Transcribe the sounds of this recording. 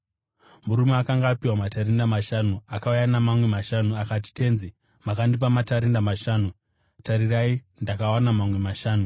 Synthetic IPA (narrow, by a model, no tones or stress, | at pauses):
muɾumeakaŋɡaːpiwamataɾendamaʃanuakaujanamamwe̞maʃanuakati̥te̞nzi | makandip̬amataɾendamaʃaːnu | taɾirai | ndakawanamamwe̞maʃaːnu